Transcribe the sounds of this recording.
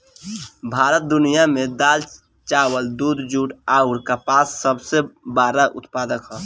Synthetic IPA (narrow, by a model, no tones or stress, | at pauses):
bʱaːɾət̪̚d̪unijamed̪aːl | t͡ʃawəld̪ud̪d͡ʒuʈaʊɾkapaːsːəbsebaːɾaʔʊ̰t̪pad̪əkɦɔ